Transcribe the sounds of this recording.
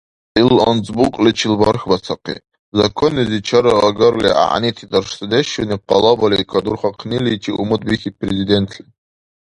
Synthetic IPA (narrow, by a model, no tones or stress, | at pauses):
ilant͡sʼbukʼlit͡ʃʰilba̰rxbat͡sʰaqʰḭ | zakʰonizit͡ʃʰaɾaaɡarlḭa̰ʕ̰nitʰidarʂsɨdeʃonip̚qalabaliikʷʰadurχaqʰnilit͡ʃʰiʔumɨdʼbixʲit̚prezidentʰlʲi